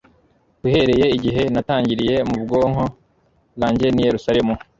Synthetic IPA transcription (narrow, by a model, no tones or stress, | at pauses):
kuhe̞ɾe̞je̞iɟiɦe̞nataːɲɟiɾije̞mubɡo̞ːŋɦo̞ | laːɲɟe̞nije̞ɾusaɾe̞mu